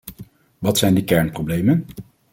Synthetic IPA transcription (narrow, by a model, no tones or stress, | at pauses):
ʋɑtsɛjndəkɛɹnprowblejmən